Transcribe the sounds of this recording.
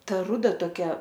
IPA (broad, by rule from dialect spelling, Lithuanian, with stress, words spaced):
ˈtɐ ˈrʊdɐ toːˈkʲɛ